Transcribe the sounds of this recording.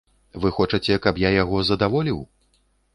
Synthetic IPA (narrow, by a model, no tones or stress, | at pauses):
vɨxɔt͡ʂɐt͡sʲɛkɐpjajaɣɔzɐd̪avɔlʲiw